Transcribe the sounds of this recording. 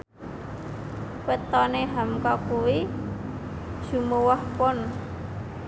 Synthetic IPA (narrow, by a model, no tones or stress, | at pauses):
wət̪ɔneɦamkɔkuwi | ʒ̥ṳmuwahpɔn